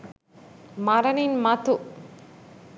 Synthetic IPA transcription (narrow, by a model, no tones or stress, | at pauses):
mɐɾɐninmɐt̪u